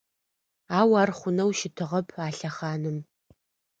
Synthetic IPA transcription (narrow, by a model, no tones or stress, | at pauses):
aːwaːrχʷʊnɐwʃɪtʰɨʁɐpʰaːɬɐχaːnɨm